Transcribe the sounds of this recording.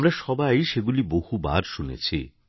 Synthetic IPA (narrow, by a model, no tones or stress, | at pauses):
mɾaʃɔbajʃeɡulibohuba̰ɾʃunḛt͡ɕʰi